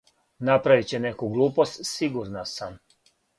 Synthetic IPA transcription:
napɾaʋit͡ɕenekuɡlˠuːpost̪siɡuɾnasam

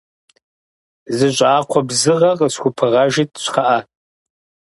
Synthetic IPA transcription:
zɨʒʷʼaːqʷʰabzɨʁaqʼəskʷupʰɨʁaʒitʼʃʷʰχaʔa

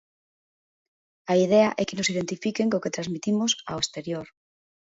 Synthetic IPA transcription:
aiðeaʔɛkenosiðent̪ifikeŋkoket̪ɾazmit̪imosaoest̪eɾjoɾ

